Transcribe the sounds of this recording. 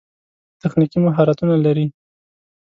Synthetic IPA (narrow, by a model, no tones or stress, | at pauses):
t̪axnikimʊɦɑɾat̪unalaɾi